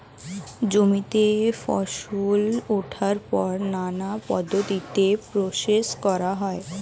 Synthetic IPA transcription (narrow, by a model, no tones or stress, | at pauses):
d͡ʑomit̪efɔ̰ʃuloʈʰaɾpɔɾnanapɔd̪ʱːot̪it̪epɾoʃeʃkɔɾaɦɔe